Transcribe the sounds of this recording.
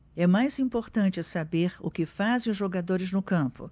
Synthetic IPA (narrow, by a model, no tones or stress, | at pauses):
ɛmajzĩmpoɾt̪ɐ̃nt͡ʃɪsabeɾʊ̰kɪfazẽj̃ʊzʒoɡad̪oɾɪznʊkɐ̃mpʊ̰